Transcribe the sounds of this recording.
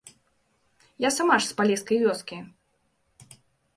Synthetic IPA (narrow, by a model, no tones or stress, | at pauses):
jasamaʂspalʲɛskɐjvʲɔskʲi